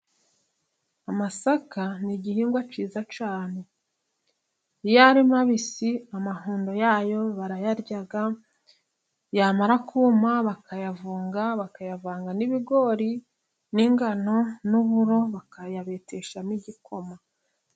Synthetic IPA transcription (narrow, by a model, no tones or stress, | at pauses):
amasakaniɟihiːŋɡwat͡ʃiːzat͡ʃaːne̞ | ijaɾimaβisiamaɦuːndo̞jaːjo̞βaɾajaɾɟaɡa | jamaɾakʰuːmaβakajavuːŋɡaβakajavaːŋɡaniβiɡo̞ɾi | niŋɡano̞nuβuɾo̞βakajaβeteʃaniɟikʰo̞ma